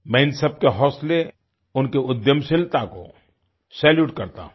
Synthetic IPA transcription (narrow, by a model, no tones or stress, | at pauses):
mɛ̃ːɪnsəb̚keɦɔːsle | ʊnkeʊd̪jəmsɪlt̪ako̰ | sɛːljuːʈkɐɾt̪a̰